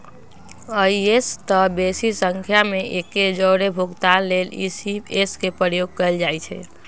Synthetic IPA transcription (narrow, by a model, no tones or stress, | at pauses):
əiest̪əbesisəŋkʰjameʔeked͡ʒəːɾebʱuɡt̪anlelisieskepɾəɾjoɡ̚kəeld͡ʒajt͡ʃʰɛ